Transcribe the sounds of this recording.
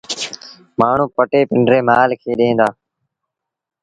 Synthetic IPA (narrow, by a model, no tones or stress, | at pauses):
maːɳ̤ũːpəʈeːpɪɳɖɾeːmaːlkʰeːɗẽːnd̪aː